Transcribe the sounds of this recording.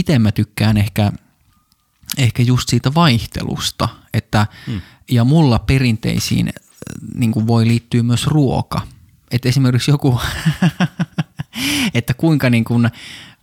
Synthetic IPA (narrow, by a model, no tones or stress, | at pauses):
it̪emmæt̪ykːæːnehkæ | ehkæjust̪siːt̪æʋɑiht̪ḛlṵst̪ɑet̪ːæ | jɑmulːɑperint̪ḛisḭːn | niŋkuʋʋoiliːt̪ːyːmyøsruo̰kɑ | et̪esimerkiksjoku | et̪ːækuiŋkɑniːŋkun